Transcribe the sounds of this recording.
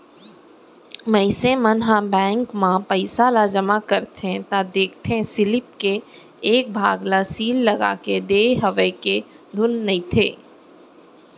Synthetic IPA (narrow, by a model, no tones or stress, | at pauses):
mɐɪsẽmənɦabɛ̃ːŋkmãpəɪsalad͡ʒəmakəɾt̪ʰẽt̪ad̪eːkʰt̪ʰẽsɪlɪp̚ke | eːk̚bʱaːɡlasiːlːɐɡa̰ːked̪eːɦəʋəjke | d̪ʱʊnːɐĩt̪ʰḛː